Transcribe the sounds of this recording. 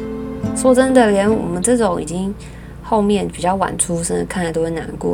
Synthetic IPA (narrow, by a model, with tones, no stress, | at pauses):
swɔ˥t͡sə˥nd̪ə˨ɥɛ˧˥nwɔ̰˨˩mə˧˦nʈ͡ʂɤ˥˩t͡sʊ˧˥ŋḭ˨˩t͡ɕi˥ŋ | xo˥˧ʊmjɛ˥˩npi˨˩t͡ɕjɑ˥˩ʊwa̰˨˩nʈ͡ʂʰu˥ʂə˥n˧˩kʰna˥˩t̪wə˧˥na̰˧˥nkwɔ̰˥˩